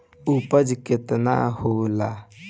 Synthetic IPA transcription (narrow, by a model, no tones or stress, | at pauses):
upəd͡ʒkɪt̪na̰hola